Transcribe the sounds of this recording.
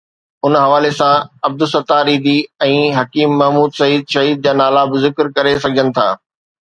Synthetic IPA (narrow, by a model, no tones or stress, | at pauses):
ʊnɦɐʋaːlesãɐb̚d̪ʊsɐt̪aːɾiːd̪iɛ̃ːɦɐkiːmːɐɦmuːd̪sɐɦiːd̪ʃɐɦiːd̪̚d͡ʑaːnaːlabʊzɪkɾkɐɾesɐɡʱd͡ʑənɪ̆t̪ʰa̰ː